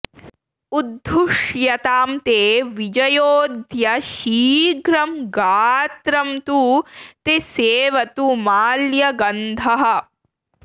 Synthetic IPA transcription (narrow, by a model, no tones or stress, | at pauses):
ud̪ʱːuʂjɐt̪aːmt̪eːʋid͡ʒɐjoːd̪ʱjɐʃiːɡɾɐmɡaːt̪ɾɐmt̪ut̪eseːʋɐt̪umaːljɐɡɐnd̪ʱɐɦɐ̆